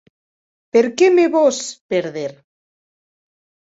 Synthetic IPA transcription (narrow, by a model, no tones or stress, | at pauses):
peɾkemeβospeɾðeɾ